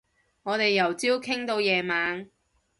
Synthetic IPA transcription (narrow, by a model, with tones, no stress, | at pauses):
ŋɔː˨˧t̪e˨jːɐ˨˩wt͡si˥wkʰɪ˥ŋt̪o˧wjɛː˨˧maː˨˧ŋ